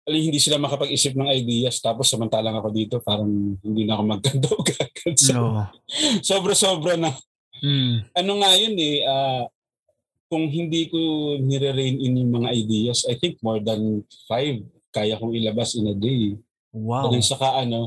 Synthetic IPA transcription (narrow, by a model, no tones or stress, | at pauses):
ʔɐlɐmhɪnd̪iːsɪlamɐkɐpɐɡisɪp̚nɐŋɐjd̪iːjɐst̪aːposːɐmɐnt̪aːlɐŋɐko̞d̪iːt̪o̞paːɾɐŋhɪnd̪iːnɐʔɐko̞mɐɡ̚ːɐnt̪ɐwɡaɡɐd̪so | so̞ːbɾɐso̞ːbɾɐnɐ | ʔɐno̞ŋajonɛʔa | kʊŋɦɪnd̪iːkonɛɾɛɾejnɪnjʊŋmɐŋaʔɐjd̪iːjɐsɐjt̪ɪŋk̚mo̞ɹd̪ɐnfajv | kaːjɐkʊŋɪlɐbasɪnɐd̪ej | ɐd̪ʊnsɐkaʔɐno̞